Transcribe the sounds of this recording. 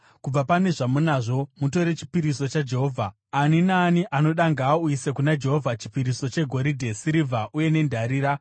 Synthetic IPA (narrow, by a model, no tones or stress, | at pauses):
kub͡vapane̞ʐamunaʐo̞mut̬o̞ɾe̞t͡ʃi̥piɾiso̞t͡ʃad͡ʒe̞ɦo̞ːvʱa | aninaːniʔano̞ɗaŋɡaːuisekunad͡ʒe̞ɦo̞vʱat͡ʃi̥piɾiso̞t͡ʃe̞ɡʱo̞ɾidʱe̞siɾivʱaʔuje̞ne̞ndʱaɾiːɾa